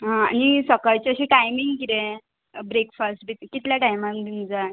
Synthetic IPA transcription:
ɦãanisəkajt͡ɕeəɕiʈajmiŋɡkit̪ẽ | bɾekfəsʈbit̪kit̪ljaʈajmand̪ind͡za

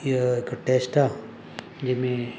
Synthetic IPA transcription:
kʈesʈa | d͡ʒɪmẽ

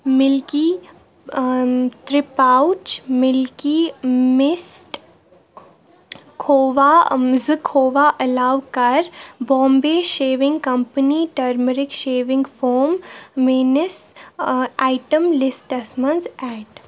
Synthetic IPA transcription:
mɪlki | t̪ɾɪpaʊt͡ʃmɪlkimɪsʈ | kʰoːʋazɨkʰoːʋaːʔɐlaːʋkɐɾbɔ̃ːmbeːʃeːʋɪ̃ŋɡkɐmpəniʈɐɾməɾɪkʃeːʋɪ̃ŋɡfʰoːɾmːeːnəs | aːɪʈəmlɪsʈɐsmənzɛːʈ

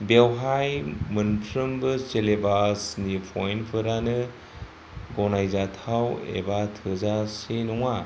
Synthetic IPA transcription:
bewɦajmɯnpʰɾɯmbɯselebasnipʰɔjnpʰɯɾanɯ | ɡɔnajzatʰawḛbatʰɯzasenɔŋa

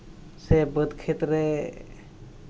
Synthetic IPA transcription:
sebəd̪kʰet̪ɾe

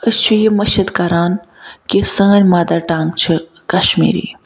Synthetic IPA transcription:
əst͡ʃʰujimɐʃɐd̪kɐɾaːn | kisə̃ːɾʲmaːd̪ɐʈaːŋkt͡ʃʰi | kɐʃmḭːɾḭː

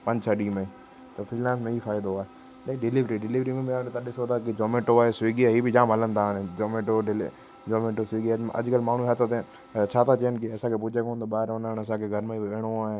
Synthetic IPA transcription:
pɐ̃ɲd͡ʑt͡ɕʰəɗiːmẽ | t̪ɐfɾiːlãːns̬mẽifaːɪd̪oaːɦe | lɐɖɪliʋɾiɖɪliʋɾimẽmẽaːɽet̪aɗɪsot̪ʰakid͡ʑoːmeːʈoaːɦesiːɡiaɦiːbɪd͡ʑãːmɦɐlə̃nd̪aːnẽd͡ʒoːmeːʈoɖɪl | d͡ʒoːmẽːʈosiːɡiɐ̰ʄkəlmaːɳ̤uɦɐt̪ʰət̪e | t͡ɕʰaːt̪ʰat͡ɕɐjənɪ̆kɪɐsãkʰepʊd͡ʒʱekõːnt̪oɓaːɦɪɾɦʊnəɽ̃ɐs̬ãkʰeɡʱɐɾmẽiʋeːɽ̃oaːɦɪ

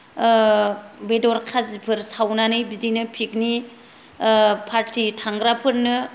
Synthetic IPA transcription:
bedɔɾkʰazipʰɯɾsawnanɯjbidinɯpʰik̚ni | pʰaɾtitʰaŋɡɾapʰɯɾnɯ

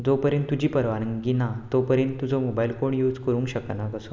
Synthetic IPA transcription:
d͡zopəɾjə̃nt̪ːud͡ʑiːpəɾʋanəŋɡinat̪opəɾjə̃nt̪ːud͡zomobailkoɳjuːd͡zkəɾũŋkɕəknakəso

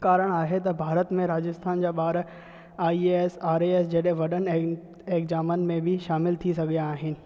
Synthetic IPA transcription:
kaːɾəɽ̃aːɦet̪ɐbʱaːɾət̪mẽɾaːd͡ʑɪst̪ʰaːnd͡ʑaːɓaːɾ | aːieːsaːɾeeːsd͡ʑɐɗɦẽʋɐɗən | eːkzaːmənɪ̆mẽbʱiʃaːmɪlt̪ʰisɐɡʱijaːɦɪnɪ̆

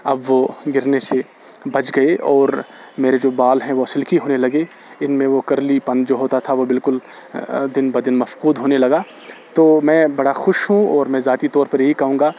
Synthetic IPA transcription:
ɐbʋoɡɪɾnese | bɐd͡ʒɡɐeʔɔːɾ | meːɾed͡ʒoːbaːlɦɛ̃ʋoɐsɪlkiɦoːnelɐɡe | ɪnmẽʋokɐɾlipɐ̃nd͡ʒoːɦoːt̪at̪ʰaʋobɪlkʊl | d̪ɪnbɐɾd̪ɪnmɐfquːd̪ɦoːnelɐɡaː | t̪oːmɛ̃ːbɐɽaxʊʃɦũɔːɾmɛ̃ːzaːt̪it̪ɔːɾpɐɾjɐɦikɐɦũːɡaː

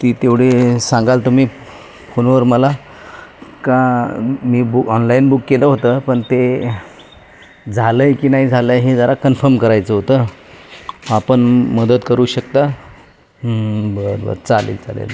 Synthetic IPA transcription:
t̪iːt̪eʋɽ̤esãŋɡalt̪um̤iː | fonʋəɾməla | kãmiːbukɔnlainbukːeləɦot̪əpəɳt̪e | d͡zʱaləjkiːnaɦid͡zʱaləjɦed͡zaɾakənfəɾmkəɾajt͡səɦot̪ə | apəɳməd̪əd̪kəɾuːɕəkt̪a | bəɾbə̰ɾt͡salḛlt͡sa̰lḛl

